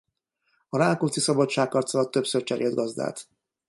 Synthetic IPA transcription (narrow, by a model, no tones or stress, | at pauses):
ɒɾaːlkult̪sisɒbɒt͡ʃt͡ʃaːkːɒrt̪solɒt̪ːøpsørt͡ʃɛɾḛld̪̚ɡɒzd̪a̰ːt̪